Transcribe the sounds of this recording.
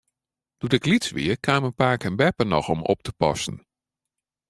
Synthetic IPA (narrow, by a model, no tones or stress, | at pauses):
d̥utɪklitsʋɪ̰ərkʰaːmənpaːɹkənbɛpənɔxɔmɔ̰p̚təpɑ̰sən